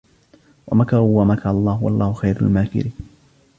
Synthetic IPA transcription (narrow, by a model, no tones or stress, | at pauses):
wa̰makɑɾˤʊwamakɑɾɑlˤːɑːhʊwɑ̰lˤːɑːhʊxajɾa̰lmaːkɪ̰ɾiː